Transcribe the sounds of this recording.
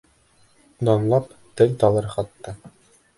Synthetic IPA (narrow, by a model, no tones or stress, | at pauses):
d̪ɑnlˠɑp | t̪ɘlt̪ɑlˠɤɾχɑt̪ːɤ